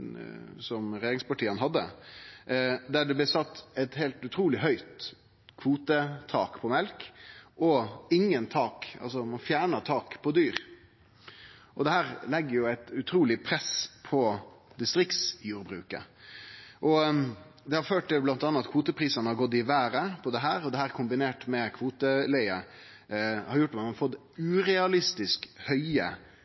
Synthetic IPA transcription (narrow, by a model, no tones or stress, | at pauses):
sɔmɾɛjeːɾɪŋspɑʈʰiːənɦɑd̪ːə̰ | d̪æɖɛblɛsɑt̪ːɛɪt̪hɛɪlt̪ʉt̪ʰɾuːlɪɦœʏt̪ | kʰʋuːt̪ət̪ʰɑ̰ːkpʰɔmɛlkʔɔɪŋːənt̪ʰɑːkɑ̰lsɔmɑnfjæːɳət̪ʰɑːkpʰɔd̪yːɾ | ʔɔd̪ɛhæːɾlɛɡːəɾjʊæɪt̪ʉt̪ʰɾuːlɪpʰɾɛspʰɔ | d̪ɪst̪ɾɪk̪sjuːɾbɾʉ̰ːkə̰ | ʔɔ | d̪ɛhɑɾføːʈ̪ɛblɑnt̪ɑnːɑt̪kʰʋuːt̪əpʰɾiːsənəhɑɾɡɔt̪ːɪʋæːɾəpʰɔd̪ɛɦæːɾɔd̪ɛhæːɾkʰʊmbɪneːʈmɛkʰʋuːt̪əlɛɪə | hɑɾjʊʈːmɑnɑfɔt̪ː | ʉːɾɛɑlɪst̪ɪskhœʏə̰